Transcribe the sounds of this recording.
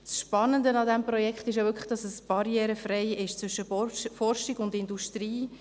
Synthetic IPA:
sʃpɑnəndənɑdɛmpɾɔjɛkχt̪ɪʃ̬javʏkʰlə̥χd̥ɑsəsb̥ɑɾjɛːɾəfrɛɪɪʃt͡sʋʏʃəfɔrʃɪɡʊndɪnduʃtɾiː

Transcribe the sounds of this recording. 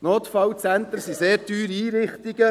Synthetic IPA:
noːt̪fɑwt͡sænt̪əɾsiseːɾtyːɾiiːɾɪχt̪iɡə

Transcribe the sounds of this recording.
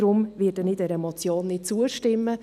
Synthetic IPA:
ɾʊmvɪːdənidɛɾɛmot͡sjoːnːɪt̚t͡suəʃtɪmːə

